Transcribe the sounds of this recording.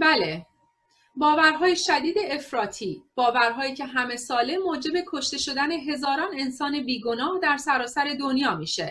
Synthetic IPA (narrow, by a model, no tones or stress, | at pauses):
bæle̞ | bɒːvæɾɦɒːjeʃæd̪iːd̪e̞efɾɒːt̪ʰiːb̥ɒːvæɾɦɒːjiːcʰe̞ɦæme̞sɒːle̞moːd͡ʒe̞be̞kʰo̞ʃt̪e̞ʃo̞d̪æne̞ɦe̞zɒːɾɒːne̞nsɒːne̞biːɡo̞nɒːhd̪æɾsæɾɒːsæɾe̞d̪onjɒːmiːʃe